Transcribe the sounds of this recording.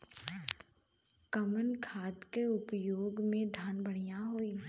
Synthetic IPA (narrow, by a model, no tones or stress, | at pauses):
kəmənkʰaːd̪keʊpjoːɡmẽd̪ʱaːnbəɽ̤ijaɦoːiː